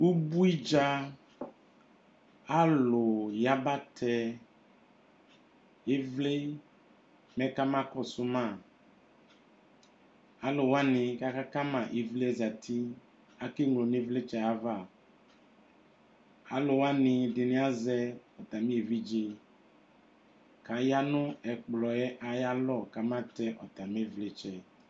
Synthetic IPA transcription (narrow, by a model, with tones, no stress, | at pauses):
u˦bu˦i˦d͡ʒa˦ | a˦lʊ˨ja˦ba˦tʰɛ˦ | e˦vle˦ | mɛ˦ka˦mã˦kɔ˦sʊ˦mã˦˨ | a˨lʊ˨wa˦nɪ̃˨ka˦ka˦ka˦mã˨ʔe˨vle˦ɛ˦za˨tʰi˦ | a˦ki˦ŋ˨lo˨mĩ˦vle˦t͡ʃɛ˦a˦va˦˨ | a˦lo˨wa˦nɪ̃˨de˨nĩ˨˦a˦zɛ˦ɔ˨t̪a˨mĩ˦e˨vi˦d͡ʒi˦ | ka˨ja˦nʊ̃˦ɛ˨k͡plɔ˨ɛ˦ʔa˨ja˦lɔ˦˨ka˨mã˦tɛ˦ʔɔ˨t̪a˨mẽ˦vle˦t͡ʃɛ˦